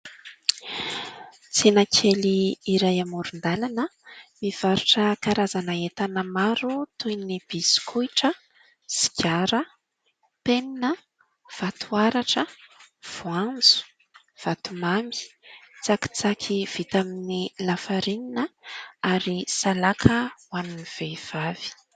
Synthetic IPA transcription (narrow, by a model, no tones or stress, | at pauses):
t͡senakʰeliːɾajamuɾund̪alanəmiv̥aɾuʈ͡ʂəkaɾazanəet̪anəmaɾut̪ujnib̥isi̥kʰujʈ͡ʂə | si̥kʰʲaɾə | peninə | v̥at̪ʰuaɾaʈ͡ʂə | v̥uand͡zu̥ | v̥at̪umami̥t͡saki̥t͡sakʰiv̥it̪aminilafaɾininəaɾisalakʰəwaniniv̥ev̥av̥i̥